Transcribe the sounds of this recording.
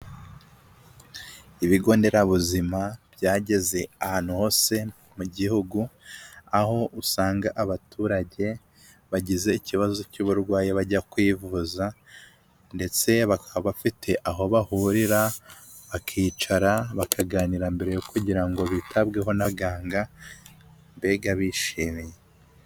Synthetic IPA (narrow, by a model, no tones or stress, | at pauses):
iβiɡo̞ːnde̞ɾaβuzimabɟaːɟe̞ze̞ahaːn̥huho̞se̞ | muɟihuɡuaho̞ʔusaːŋɡaʔaβatʰuːɾaɟe̞ | βaɟize̞iciβazo̞cuβuɾɡwaːjeβaɟakwiːvuːza | nde̞t͡se̞βakaβafitʰe̞ʔaɦo̞βahuɾiɾa | βakʰiːt͡ʃaɾaβakʰaɡaːniɾambe̞ɾe̞jokuɟiɾaŋɡo̞βitʰabɡe̞ɦo̞naɡaːŋɡa | mbe̞ɡaβiʃiːmije̞